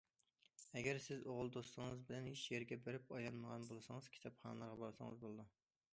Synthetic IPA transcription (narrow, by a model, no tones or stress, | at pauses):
ɛɡʲɛɾsɪzoʁʊlˠd̪osɨŋɨzbɪlɛnheʃjeɾɡʲɛbeɾɪpɑjɑnːəʁɑnbolˠɨsɨŋɨz̥kʲʰi̥t̪ʰɑpχɑnɨlˠɑɾʁɑbɑɾsɨ̰ŋɨ̰zbolˠɨd̪u